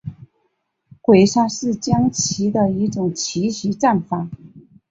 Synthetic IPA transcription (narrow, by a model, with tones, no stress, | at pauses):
kwe˨˩ɪʂa˥˧ʂɻ̩˥˩t͡ɕjɑ˥ŋt͡ɕʰi˧˥d̪ə˨i˧˥ʈ͡ʂʊ˨˩ŋt͡ɕʰi˧˥ɕi˧˥ʈ͡ʂa˥˩nfa˨˩˦